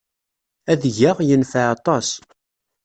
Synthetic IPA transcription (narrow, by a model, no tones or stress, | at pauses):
æðʝaʁjənfəʕɑt̪ˤɑs